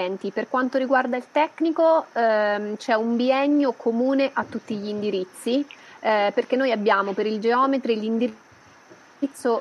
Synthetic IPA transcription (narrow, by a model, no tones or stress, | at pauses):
ɛnt̪iperkwant̪oɾiɡward̪ailt̪ɛkːniko | t͡ʃɛumbiɛɲːokʰomuːneʔat̪ːut̪ːiʎiːnd̪iɾit̪sːi | perk̟enːojabːjaːmopeɾild͡ʒeɔːmet̪ɾilind̪i | it̪sːo